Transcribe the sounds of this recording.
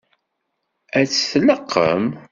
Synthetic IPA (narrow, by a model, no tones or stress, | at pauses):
æt͡sːθləqʰːə̰m